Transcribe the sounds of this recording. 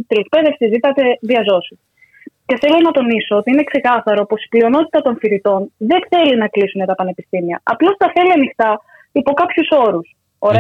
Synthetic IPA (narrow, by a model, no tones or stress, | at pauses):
it̪elek̚pe̞ðe̞fsizit̪ɐt̪e̞ðiɐzo̞si | ce̞θe̞lo̞nɐt̪o̞nisoot̪iine̞kse̞kɐθɐɾopo̞si̥plio̞no̞t̪i̥t̪ɐt̪o̞nfiɾit̪o̞nðe̞nθe̞linɐklisunet̪ɐpɐne̞pist̪imiɐ̰ɐ̰plo̞st̪ɐθe̞liɐnixt̪ɐ | ipo̞kɐpçuso̞ɾus | oɾe